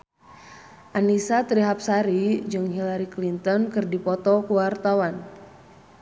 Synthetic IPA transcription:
ʔanisat̪ɾiɦap̚saɾid͡ʒɨŋɦilaɾiklint̪ɔnkɨrdipɔt̪ɔkuwart̪awan

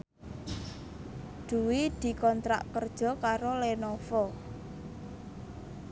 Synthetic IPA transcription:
ɖ̪̥ṳwid̪̥i̤kɔnt̪ɾa̰ʔkərd̥ʒ̥ɔ̤kaɾolenɔfɔ

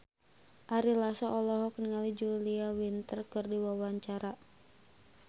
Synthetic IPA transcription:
ʔaɾilasɔʔɔlɔɦɔkniŋalid͡ʒuliawint̪ərkɨrdiwawaɲt͡ʃaɾa

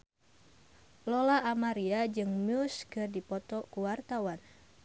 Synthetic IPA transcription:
lɔlaʔːmaɾiad͡ʒɨŋmʊskɨrdipɔt̪ɔkuwart̪awan

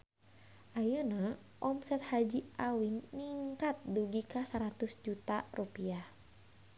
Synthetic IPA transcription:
ʔajəna | ʔɔmsɛt̪had͡ʒiʔawiŋniŋkat̪̚duɡikasaɾat̪usd͡ʒut̪arupiah

